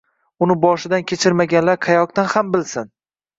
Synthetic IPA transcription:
ʊnɪbɒʃɪd̪ankʲʰe̞t͡ʃʰɪɾmaɡʲanlaɾqʰajɒk̚t̪anhambɪlsɪn

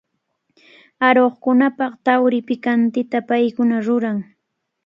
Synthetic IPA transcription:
aɾoχkʊnapɑχt̪awɾɪpɪkant̪ɪt̪apajkʊnaɾʊɾaŋ

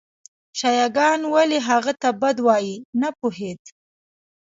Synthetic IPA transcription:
ʃɑjɑɡɑnwaleɦaɣat̪abad̪wɑjinapuɦed̪

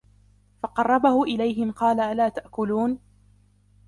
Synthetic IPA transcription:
fɑqɑrˤːɑbahʊʔɪlajɦɪmqɑːlaalaːt̪aʔkʊluːn

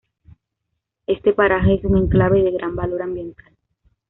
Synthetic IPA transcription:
e̞st̪epaɾaxeesuŋe̞ŋklaβeðeɣɾʔambalo̞ɾambje̞nt̪al

